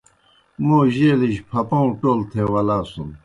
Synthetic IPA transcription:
moːʑeːliɕpʰɐpõːʈoːlt̪ʰewɐlaːsun

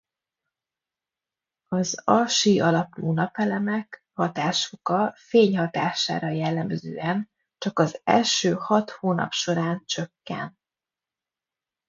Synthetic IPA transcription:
ɒzɒʃiɒlɒpnuːnɒpɛlɛmɛk | hɒt̪aːʃokɒfeːɲhɒt̪aːʃa̰ːɾɒjɛlːɛmzø̰ːɛn | t͡ʃɒkɒzɛ̰lʃøːhɒt̪hoːnɒ̰pʃo̞ɾaːnt͡ʃø̞kːɛ̰n

